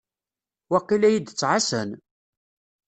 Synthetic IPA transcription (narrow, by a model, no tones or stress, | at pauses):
wæqːilæjid̪t͡sːʕasən